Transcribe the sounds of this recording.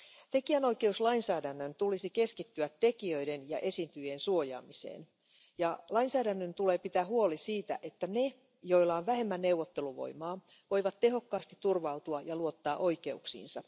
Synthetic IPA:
t̪e̞kiæno̞jke̞uslɑinsæːdænːønt̪ulisike̞skit̪ːyæt̪ːe̞kiø̞jdenjɑʔe̞sint̪yjensuojɑ̰ːmisḛːn | jɑlɑinsæːdænːønt̪ule̞ːpit̪æːhuolisiːt̪æ̰ʔe̞t̪ːæne̞ | jo̞ilːɑonʋæɦe̞mːænne̞wʋːot̪ːe̞luʋo̞̰imɑː | ʋo̞jʋɑt̪te̞ɦo̞kːɑːst̪it̪ːurʋɑut̪uɑjɑluo̞t̪ːɑːʔo̞jke̞uksḭːnsɑ

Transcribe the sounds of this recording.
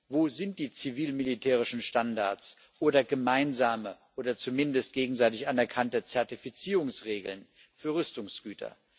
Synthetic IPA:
voːzɪnt̚d̥iːt͡siviːlmilitʰɛːʁ̞ɪʃn̩ʃtandaɐt͡s | ʔoːdɐɡəmaɪnzaːməʔoːdɐt͡sumɪndəst̚ɡ̥eːɡŋ̩zaɪtɪçʔanɛɐkʰantət͡sɛɐtifit͡siːʁʊŋsʁeːɡl̩n | fyːɐʁʏstʊŋsɡ̥yːtʰɐ̰

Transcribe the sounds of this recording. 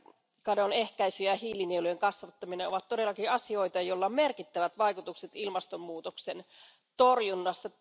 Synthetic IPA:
kɑdone̞hkæisyjæhiːlinielujeŋkɑsʋɑt̪ːɑmineoʋɑt̪t̪ːo̞de̞lːɑkiɑsio̞ijt̪ɑjolːɑmerkit̪ːæʋæt̪ʋɑjkut̪ukset̪ilmɑst̪ommuːt̪oksen | t̪orjunːɑsːɑ

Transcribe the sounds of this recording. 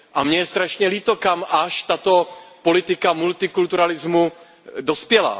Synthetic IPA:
ʔamɲɛjɛst̪ɾaʃɲɛliːt̪o̞kamʔaʃt̪at̪o̞po̞lɪt̪ɪkamult̪ɪkult̪uɾalɪzmu | do̞spjɛla̰

